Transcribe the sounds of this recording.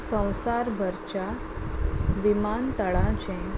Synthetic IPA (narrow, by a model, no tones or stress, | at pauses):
sə̃w̃saɾbʱəɾt͡ɕa | ʋimant̪əɭãt͡ɕɛ̃